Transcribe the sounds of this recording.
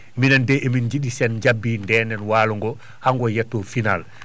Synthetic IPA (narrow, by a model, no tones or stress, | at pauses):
minandɛʔemind͡ʒiɗisɛnd͡ʒabːiːndɛːnɛnwaːluŋɡɔ | haŋɡɔjɛtːɔfinal